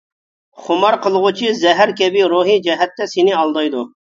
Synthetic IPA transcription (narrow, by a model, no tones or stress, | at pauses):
χʊmɑɾqʰəlˠʁʊt͡ʃʰizɛɦæɾkʲɛbiɾuɦid͡ʒɛɦɛt̪ːɛsɪnɪɑlˠd̪ɑjd̪u